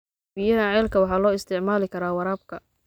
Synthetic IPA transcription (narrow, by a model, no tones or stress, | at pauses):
bijɐɦɐʕɛːlkʰɐwɑħɑːlɔːɪst̪ʰɪʕmaːlɪkʰɐɾaːwɑɾaːb̚kʰɐ